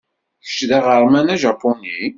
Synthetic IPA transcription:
çə̥ʃðæʁəɾˤmænæʒɑpːoni

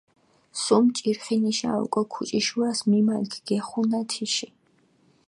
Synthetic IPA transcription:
sumt͡ʃʼiɾχiniʃa̰ṵkʼwɛkʰut͡ʃʼiʃuasmimalkʰɡ̥ɛχunat̪ʰiʃi

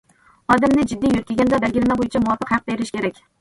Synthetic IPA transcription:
ɒd̪ɪmnɪd͡ʒɪd̪ːijoɾkʲʰeɡʲand̪abalɡʲɪɾɪmabojɪt͡ʃʰamʊwɒfɨqhɑq̚d̪̥aeɾɪʃkʲʰe̞ɾakʲ

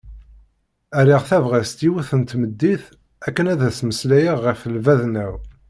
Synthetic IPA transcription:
æɾiʁθævʁæst̪iwuθənt̪məd̪ːiθ | ækːənæðæsməslæjæʁːəfəlvæðnæw

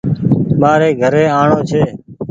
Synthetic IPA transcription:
maːɾeːɡʱəɾeːaːɳoːt͡ʃʰeː

